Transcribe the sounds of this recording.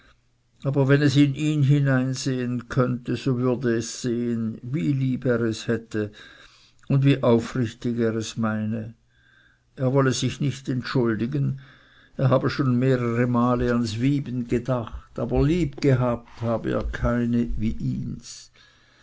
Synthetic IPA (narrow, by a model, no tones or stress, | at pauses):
ʔaːbɐvɛnɛsɪniːnɦinaɪnzeːənkʰœntəzoːvʏɐdəɛsz̥eːənviːliːbeːʁɛshɛtʰə | ʊndviːʔaʊfʁɪçtɪɡeːʁɛsmaɪnə | ʔeːɐvɔləzɪçnɪçtɛntʃʊldɪɡən | eːɐɦaːbəʃoːnmeːʁəʁəmaːləansviːbn̩ɡədaχtaːbɐliːpɡ̥əɦaːp̚thaːbəḛːɐkʰaɪnəviːʔḭːns